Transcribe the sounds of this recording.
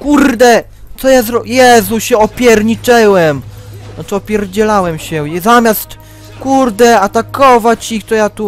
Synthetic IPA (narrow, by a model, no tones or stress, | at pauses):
kuɾd̪ɛ | t̪ɔjazɾɔjɛzuɕɛɔpʲjɛɾɲit͡ʂɛwɛmnat͡ʂɨɔpʲjɛɾd͡ʑɛlawɛmɕɛzamʲjast̪ | kuɾd̪ɛat̪akɔvat͡ɕikt̪ɔjat̪u